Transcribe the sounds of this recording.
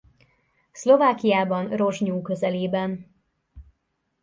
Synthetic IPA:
slo̞vaːkijaːbɒnro̞ʒɲuːkøzɛleːbɛn

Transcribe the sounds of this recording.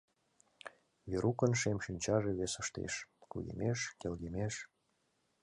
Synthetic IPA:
βeɾukə̆nʃemʃynʲt͡ɕɑʒeβesə̆ʃt̪ḛʃkṵjḛmeʃkelɣemeʃ

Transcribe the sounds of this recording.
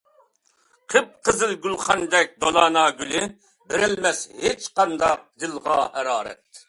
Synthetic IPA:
qʰəp̚qʰəzɨlɡʲylχɑnd̪ɛk̚ʲd̪olˠɑːnɑːɡʲylɪ | bɪɾɪlmɛshet͡ʃqɑnd̪ɑq̚d̪ɨlˠʁɑ̰hɛɾɑːɾɛ̰t̪̚

